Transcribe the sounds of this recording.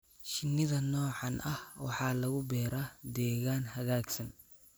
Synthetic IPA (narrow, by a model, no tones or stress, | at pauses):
ʃɪnːɪðɐnɔːʕɑnʔɐhwɑħɑːlɐɣʊbɛːɾaːd̪ɛːɣaːnhɐɣaːɡsɐn